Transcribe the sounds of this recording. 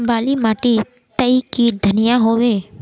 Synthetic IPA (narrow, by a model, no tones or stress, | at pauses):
baːlimaːʈi | t̪əikid̪ʱənɪjaɦoːʋeː